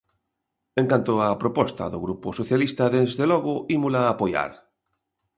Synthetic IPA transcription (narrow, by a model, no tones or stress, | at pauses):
ẽŋkant̪oapɾopɔst̪a̰ðoɣɾuposoθjalist̪aðezðeloɣoʔimulaːpoja̰ɾ